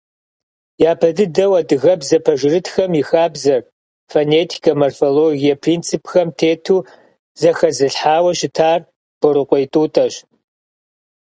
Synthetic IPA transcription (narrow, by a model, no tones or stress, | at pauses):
jaːpʰɐdɨdɐwɐdɨɣɐbzɐpʰɐʒɪrɨtʰxɐmjixaːbzɐr | foneːtʰi̥kʰɐmɐrfoloːɣijɐpʰrint͡sʰɨpʰxɐmtʰeːtʰuː | zɐxɐzɨɬħaːwɐʃɪtʰaːr | b̥oɾɨqʷʼɔjtʼuːtʰʼɐɕ